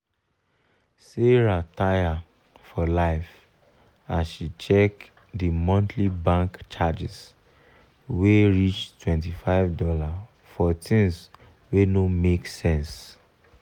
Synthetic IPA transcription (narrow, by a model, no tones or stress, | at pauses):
seɹataja | fɔlaɪf | asʃit͡ʃɛk | dimɔ̃ntʰlibãŋkt͡ʃad͡ʒis | weɹit͡ʃtwɛ̃ntifaɪvdɔla | fɔtʰĩns | wenomeksɛ̃ns